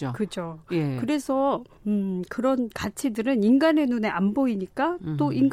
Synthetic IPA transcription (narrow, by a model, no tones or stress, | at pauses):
okɯd͡ʑojekɯɾe̞sʰʌ | ɯkɯɾʌnkat͡ɕʰidɯɾɯninɡane̞nune̞amboiɲik͈at͈oʔiŋɡ